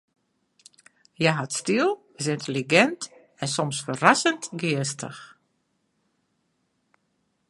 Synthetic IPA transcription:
jaɦatstilˠ | ɪs̬ɪntʰəliɡɛnt | ɛnsɔmsfərasəntɡɪəstə̰x

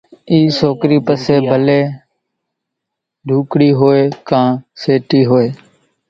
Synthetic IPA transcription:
iːsoːkɾiːpəseːbʱəleː | ɖʱuːkɽiːɦoːeːkãːseːʈiːɦoːeː

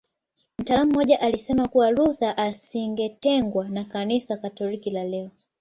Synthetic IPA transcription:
m̩taːlam̩ːɔʄaʔalisɛmakuwaɾuðaʔasiŋɡɛtɛŋɡwanakanisakatɔlikilalɛɔ

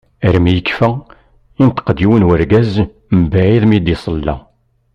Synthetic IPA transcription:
əɾmjəkːfæ | int̪ə̥qd̪iwənwəɾɡæz | mbæʕiðmid̪isˤəlːæ̰

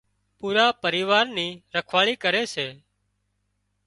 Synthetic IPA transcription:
puːɾaːpəɾiːʋaːɾniːɾəkʰʋaːɭiːkəɾeːseː

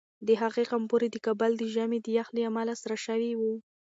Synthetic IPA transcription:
d̪əɦaɣeqampoɾed̪əkabald̪əʒamed̪əjaxleamalasaɾaʃawiwu

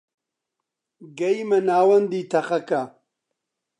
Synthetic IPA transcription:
ɡɐjmɐnaːwɐnd̪iːt̪ʰɐχɐkɐ

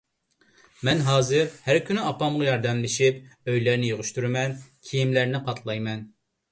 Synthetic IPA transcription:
mɛnɦɑːzɨɾhæɾkʲʰynyɑpɑmʁɑjɑɾd̪ɛmlɪʃipøjlæɾnɪjoʁʊʃt̪uɾɪmɛnkʲʰijimlæɾnɪqʰɑt̪ʰlˠɑjmɛn

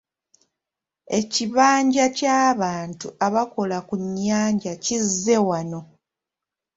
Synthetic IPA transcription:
e̞ciβaːɲɟacaːβaːntuaβako̞lakuɲːaːɲɟacizːe̞wano̞

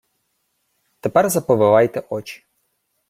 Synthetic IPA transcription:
t̪ɛpɛrzɐpɔʋɪʋɑjt̪ɛʔɔt͡ʃi̥

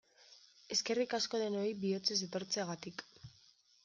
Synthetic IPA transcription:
e̞ske̞rikasko̞ðe̞no̞ibio̞t͡se̞se̞t̪o̞ɾt͡seaɣat̪ik

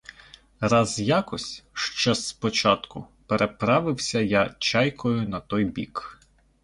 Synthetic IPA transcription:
rɑzjakɔsʲʃt͡ʃɔspɔt͡ʃɑt̪kʊpeɾʔepɾɑʋɪwsʲɐjat͡ʃɑjkɔjʊnɐt̪ɔjbʲḭk

